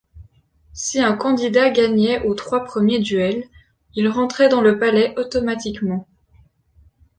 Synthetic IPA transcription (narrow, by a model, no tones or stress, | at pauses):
siɛ̃kɑ̃d̪id̪aɡaɲɛʔot̪χwapχəmjed̪yɛl | ilʁɑ̃t̪χɛd̪ɑ̃ləpalɛʔɔt̪ɔmat̪ikmɑ̃